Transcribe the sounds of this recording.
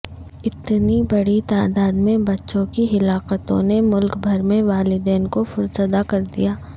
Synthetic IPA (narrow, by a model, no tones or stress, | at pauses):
ɪt̪nibɐɽit̪aːd̪aːd̪mẽbɐtːʃõkiɦɪlaːqət̪õ̰nemʊlkbʱɐɾmẽʋaːlɪd̪eːnkofʊɾsəd̪akɐɾd̪ḭjaː